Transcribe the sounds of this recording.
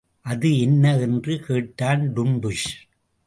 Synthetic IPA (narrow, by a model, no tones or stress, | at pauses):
ʔɐðɯɛnːɐɛndrɯkeːʈːaːnɖʊɳbɯʂ